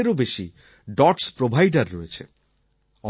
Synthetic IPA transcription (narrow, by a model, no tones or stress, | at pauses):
eɾobeʃi | ɖɔʈspɾobʱajɖaɾːɔet͡ɕʰḛ | ɔ